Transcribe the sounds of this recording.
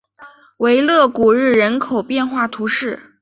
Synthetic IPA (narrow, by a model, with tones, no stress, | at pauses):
we˧˥ɪlɤ˥˩ku˨˩ɻɻ̩˥˩ɻə˧˥nkʰo˨˩ʊpjɛ˥˧nxwa˥˩t̪ʰu˧˥ʂɻ̩˥˩